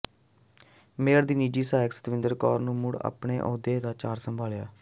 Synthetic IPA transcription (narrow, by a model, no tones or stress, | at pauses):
meːəɾd̪iːniːd͡ʒiːsaːjɪksə̥t̪ʋɪnd̪əɾkɔːɾnũːmʊɽa̰ːpɳeːʔɔ̰ːd̪eːd̪aːt͡ʃaːɾsəmbʱaːljaː